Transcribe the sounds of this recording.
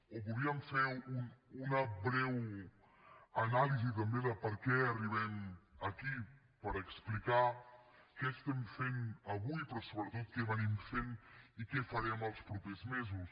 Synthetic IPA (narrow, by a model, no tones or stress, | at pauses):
opuðiəmfɛɾununɐbɾɛw | ɐnalizit̪̬ɐmbeðəpəɾkɛɐriβɛmɐki | pəɾəksplika | kɛst̪ɛmfenɐβujpɾɔsoβɾət̪ot̪̚kɛβənimfenikɛfɐɾɛməlˠspɾɔpezmezus